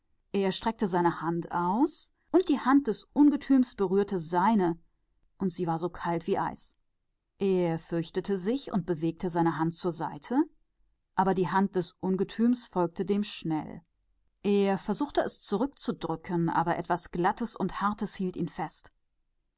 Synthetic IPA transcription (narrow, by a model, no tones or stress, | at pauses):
ʔeːɐʃtʁ̥ɛk̚təzaɪnəhantʔaʊs | ʔʊnt̚d̥iːhant̚d̥ɛsʔʊnɡətʰyːmsb̥əʁyːɐtʰəzaɪnə | ʔʊntz̥iːvaːɐzoːkʰaltv̥iːʔa̰ɪs | ʔeːɐfʏɐçtətʰəzɪçʊ̰nt̚b̥əveːk̚tʰəzaɪnəɦant̚t͡suːɐzaɪtʰə | ʔaːbɐdiːɦant̚d̥ɛsʔʊnɡətʰyːmsfɔlk̚tʰədeːmʃnɛ̰l | ʔeːɐfɛɐzuːxtəɛst͡suʁʏk̚t͡sudʁʏkʰənʔa̰ːbɐʔɛtv̥asɡ̥latəsʊnthaɐtəshiːltḭːnfɛst